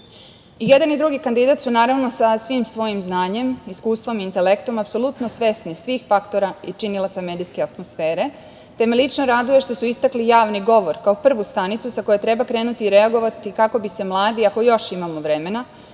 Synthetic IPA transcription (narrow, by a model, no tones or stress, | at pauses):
ije̞d̪anid̪ɾuɡikand̪id̪at̪sunaːɾaʋno̞sasʋimsʋo̞jimznaːɲe̞miskuːst̪ʋo̞miːnt̪e̞lekt̪o̞mapso̞lˠut̪no̞sʋe̞snisʋixfakt̪o̞ɾait͡ʃinilˠat̪same̞ːd̪iske̞at̪mo̞sfe̞ːɾe̞ | t̪e̞melʲit͡ʃno̞ɾad̪uje̞ʃt̪o̞suist̪aklijaːʋniɡo̞ʋo̞ɾkaopr̩ʋust̪anit̪susako̞jet̪ɾe̞bakɾeːnut̪iːɾe̞aɡo̞ʋat̪ikako̞bise̞mlˠaːd̪iako̞jo̞ʃimamo̞ʋɾe̞me̞na